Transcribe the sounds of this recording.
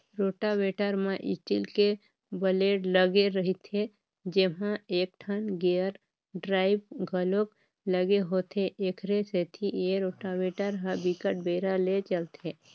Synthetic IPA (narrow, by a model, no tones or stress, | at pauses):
ɾoːʈaweːʈəɾmãʔɪ̰t͡ʃilke | bəleːɖləɡeɾəɦit̪ʰe | d͡ʒeɦãeːk̚ʈʰənɡeəɾ | ɖɾaːɪbɡʱəlok | ləɡeɦot̪ʰeʔekʰɾeset̪ʰijeɾoːʈaweːʈəɾɦəbikəʈ̚beːɾalet͡ʃəlt̪ʰe